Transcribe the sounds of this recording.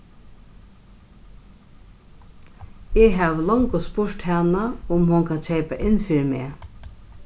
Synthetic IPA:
eɦæːʋlɔŋkʊspʊʂʈhɛnaʊmhʊŋkʰancʰeɪpaʔɪnfiːɾmeː

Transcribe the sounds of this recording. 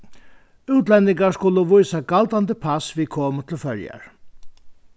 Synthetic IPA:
ʉːt̪lɛnt̪ɪŋkaskʊlʊʋʊjsaɡalt̪ant̪əpʰasʋikʰoːmət̪ʰɪlfœɹja̰ɹ

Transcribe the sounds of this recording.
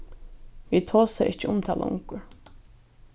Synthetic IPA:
ʋiːt̪ʰoːsaʔɪht͡ʃɪʊmt̪ʰaːla̰ʔʊ̰ŋkʊɹ

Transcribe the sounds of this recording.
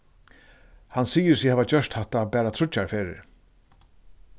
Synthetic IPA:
hansiːjɪɾsɪhɛːvat͡ɕœʂt̪haht̪apɛːɾat̪ʰɾʊt͡ʃːaɹfeːɾɪ̰ɾ

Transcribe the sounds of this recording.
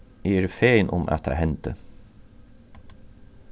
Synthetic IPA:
iːɾfeɪnʔʊmʔæ̰t̪ʰɑ̰hɛnt̪ə

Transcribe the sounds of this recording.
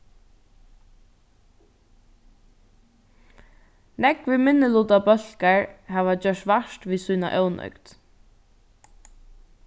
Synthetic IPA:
nɛkvɪmɪnːɪlut̪apœl̥kaɹhɛːʋat͡ɕœʂt̪ʋaʃt̪ʋiːsuːna̰ʔœwnʔœ̰ʏkt̪

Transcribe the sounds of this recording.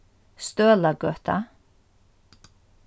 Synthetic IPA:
st̪œːlakœht̪a̰

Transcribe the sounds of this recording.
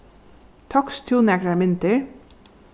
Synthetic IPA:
t̪ʰɔkst̪ʰjuːnɛkɾaɹmɪnt̪əɹ

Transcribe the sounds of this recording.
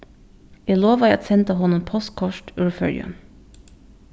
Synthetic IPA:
eːloːʋɑɑt̪sɛnt̪əhɔnɔmpʰɔst̪̚kʰɔʃʈʉɹfœ̰ljʉ̰m

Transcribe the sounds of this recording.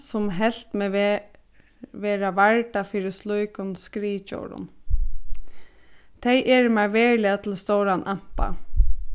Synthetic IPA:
sʊmɦɛl̥t̪meː | ʋeːɾaʋaɹʈafiːɾɪslʊjkʊnskɾiːt͡ʃo̰ːɾʊ̰n | t̪ʰɛɪʔɛɹmaɹʋeːɹlɪat̪ʰɪlst̪owɾanʔam̥pa̰

